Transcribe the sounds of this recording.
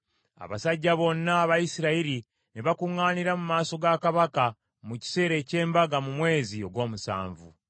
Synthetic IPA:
a̰βa̰saɟːaβo̞nːaːβajisiɾaiɾi | neβakuŋːaːniɾamumaːso̞ɡakaβaka | muci̥se̞ːɾe̞ːce̞ːmbaɡamumwe̞ːzio̞ɡwo̞ːmusa̰ːɱvṵ

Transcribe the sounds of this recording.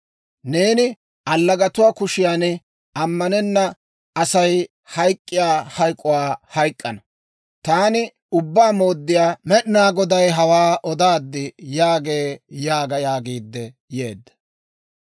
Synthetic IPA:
ne̞ːnɪ | ʔɐlːɐɡɐt̪ʊwaːkʊʃɪjaːnɪ | ɐmːɐnɛnːɐ | ɐsɐj | hɐjkʼːɪjaːhɐjkʼːʊwaːhɐjkʼːɐnɐ | t̪aːnɪ | ʊbːaːmo̞ːd̪ːɪjaːmɛɗɪnaːɡɔd̪ɐjɦɐwaːʔɔd̪aːd̪ːɪjaːɡe̞ːjaːɡɐjaːɡiːd̪ːɛ | je̞ːd̪ːɐ

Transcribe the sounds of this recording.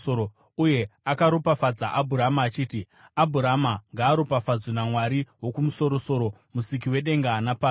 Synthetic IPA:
oɾo | uje̞akaɾopafad͡za̰ʔabʱuɾamaːt͡ʃiːti | abʱuɾamaŋɡaːɾopafad͡zwinamwaɾiwo̞kumuso̞ɾo̞so̞ɾo̞ | musik̬iwe̞ɗe̞ŋɡaːnapaː

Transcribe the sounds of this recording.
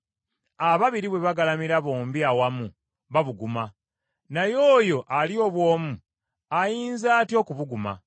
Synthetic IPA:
aβaβiɾiβwe̞βaɡalamiɾaβo̞ːmbiawamu | βaβuɡuma | najoːjo̞ʔalio̞βwo̞ːmu | ajiːnzaːtjo̞ːkuβuɡuma̰

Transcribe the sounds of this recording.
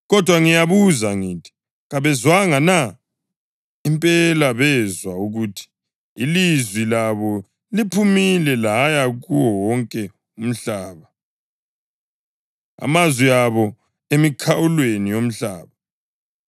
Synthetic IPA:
ɣɔd̥ʱwaŋijaβuzaŋiːtʰi̥ | ɣaβɛzwaŋana | impʼɛlaβɛzwauɣuːtʰi̥ | ilizwilaβɔ | lipʰumilɛlajaɣuwɔwɔŋkʼɛ | um̩ɬaːβa | a̰mazwiaβɔ | emikʰawulwenijom̩ɬa̰ːβa

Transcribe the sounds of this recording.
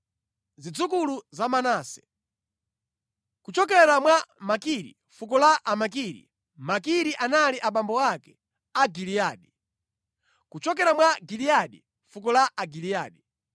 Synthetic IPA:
zid͡zukuluzamanaːsɛ̥̰ | kut͡ʃɔkɛɾamwamakiɾḭ | fukɔlaʔːmak̬iɾḭ | makiɾiʔanaliʔaɓambɔakɛ̥ | aɡilijaːɗi | kut͡ʃɔk̬ɛɾamwaɡilijaɗi | fukɔlaʔːɡilijaːɗi

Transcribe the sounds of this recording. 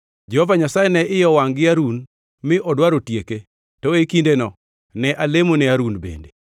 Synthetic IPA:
d͡ʒɛhovaɲasajɛnɛʔɪjɔwaŋɡɪaɾun | mɪʔɔdwaɾotjeke | tɔekindenɔ | nɛʔalemonɛaɾunbḛnde

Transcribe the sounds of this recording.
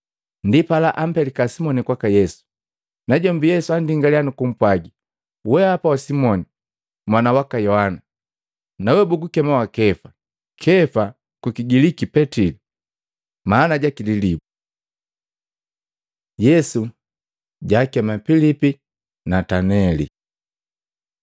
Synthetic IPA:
ndipalaʔam̩pɛlikasimɔnikwakajɛsu̥ | naɟɔmbijɛsuandiŋɡalianukum̩pwaɡi | wɛhapawasimɔni | mwanawakajɔhana | nawɛbuɡukɛmawakɛfa | kʰɛfa | kukiɡilikipɛtili | manaɟakililibu | jɛsu | ɟaːkɛmapilipi | natanɛlḭ

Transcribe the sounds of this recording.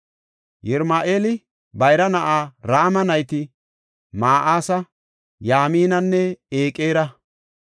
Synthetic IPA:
jɛɾmaːʔeːlɪ | bɐjɾɐnɐʔaːɾaːmɐnɐjt̪ɪ | maːʔaːsɐ | jaːmiːnɐnːɛeːkʼeːɾɐ

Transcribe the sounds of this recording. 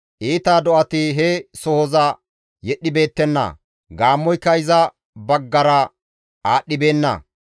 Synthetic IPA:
ʔiːt̪aːd̪ɔʔɐt̪ɪɦɛsɔhɔzɐ | jɛɗːɪbe̞ːt̪ːɛnːɐ̰ | ɡaːmːɔjkɐjɪzɐ | bɐɡːɐɾɐ | aːɗːɪbe̞ːnːɐ̰

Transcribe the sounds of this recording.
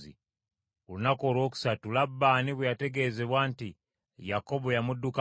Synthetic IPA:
ḭ | ulunako̞ːlwo̞ːk̬u̥satulabːaːniβwejate̞ɡe̞ːze̞βwaːnti | jako̞bojamudːuka

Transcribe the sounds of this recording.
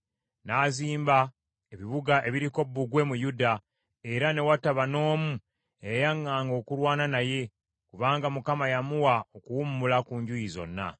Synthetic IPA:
naːziːmba | e̞βiβuɡaʔe̞βiɾiko̞bːuɡwe̞mujuda | e̞ɾane̞wataβano̞ːmu | ejajaŋːaːŋɡo̞ːkulwaːnanaje̞ | kuβaːŋɡamukamajamuwaokuwumːulakuːɲɟujizo̞̰nːa̰

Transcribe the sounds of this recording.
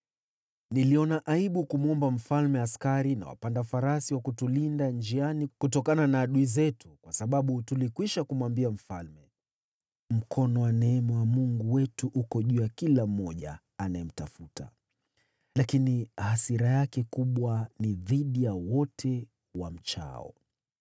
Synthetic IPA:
niliɔnaʔaiɓukumuɔmbam̩falmɛaskaɾina̰wa̰pandafaɾasiwakutulindand͡ʒianikutɔkananaːɗuizɛtukwasaɓaɓutulikwiʃakumwambiam̩falmɛ | m̩kʰɔnɔwanɛɛmɛwamuŋɡuwɛtuʔukɔʄujakilam̩ːɔʄa̰ː | najɛm̩tafuta̰ | lakinihasiɾajakɛkuɓwaniðiɗijawɔtʰɛ | wam̩t͡ʃa̰ɔ̰

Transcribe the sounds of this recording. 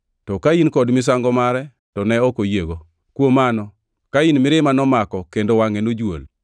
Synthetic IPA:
tɔkainkɔdmɪs̬aŋɡɔmaɾɛ | tɔnɛɔkojeɡo | kwomanɔ | kainmɪɾɪmanɔmakɔkendowaŋenod͡ʒwo̰l

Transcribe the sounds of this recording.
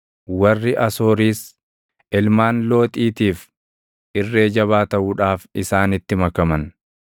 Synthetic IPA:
wɐrːɪʔɐso̞ːɾiːs | ɪlmaːnlo̞ːt̪ʼiːt̪iːf | ʔɪrːe̞ːd͡ʒɐβaːt̪ɐʔuːᶑaːfɪsaːnɪt̪ːɪmɐkɐmɐn

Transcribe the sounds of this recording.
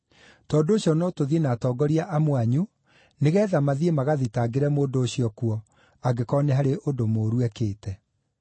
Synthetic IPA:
tɔːdooɕjɔnotoðienatɔːɡɔɾiaʔamwaɲu | neɣɛːðamaðiemaɣaðitaɡeɾɛmoːndoːɕiɔkuɔ | aɡekɔneɦaɾeʔodomoːɾuɛkeːtɛ

